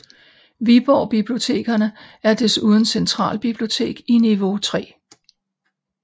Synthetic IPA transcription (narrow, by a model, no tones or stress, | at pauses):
ʋib̥ɒ̰ːb̥ib̥lio̝t͡sʰe̝̰ːɡ̥ɐnəæɐd̥e̝suːð̞ˠən̩sent͡sʰʁɑ̰̈ːlb̥ib̥lio̝t͡sʰe̝̰ːɡ̥iniʋo̝t͡sʰʁɛ̰ː